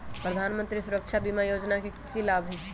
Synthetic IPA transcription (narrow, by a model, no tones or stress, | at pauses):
pɾəd̪ʱaːnmə̃nt̪ɾisʊɾəkʃʰabimajoːd͡ʒnaket̪kilaːbʱɦɛː